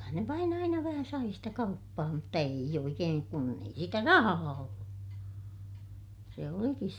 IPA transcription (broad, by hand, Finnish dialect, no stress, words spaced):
ne ʋɑin ɑinɑ ʋæhæ sɑi sitæ kɑupːɑː mutːɑ eij oikeːŋ kun ei sitæ rɑhɑː olːu se olikis